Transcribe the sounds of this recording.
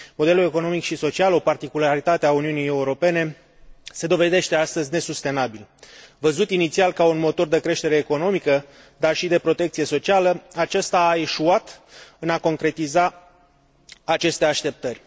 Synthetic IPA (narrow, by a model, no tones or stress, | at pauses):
mo̞d̪e̞lule̞ko̞no̞mikʃiso̞t͡ʃialo̞part̪ikulaɾit̪at̪eauniunijeuɾo̞pe̞ne̞ | se̞d̪o̞ve̞d̪e̞ʃt̪e̞ast̪əzʲne̞sust̪e̞nabilvəzut̪init̪sialkaunmo̞t̪o̞rd̪e̞kɾe̞ʃt̪e̞ɾe̞ːko̞no̞mikə | d̪arʃid̪e̞pɾo̞t̪e̞k̚t̪sije̞so̞t͡ʃialəat͡ʃast̪aːe̞ʃuat̪ɨnako̞ŋkɾe̞t̪iza | t͡ʃe̞st̪e̞aʃt̪e̞p̚t̪ərʲ